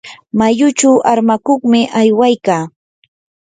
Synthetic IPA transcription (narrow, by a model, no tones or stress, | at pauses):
majʊt͡ʃawʔaɾmakoχmɪʔajwajkaː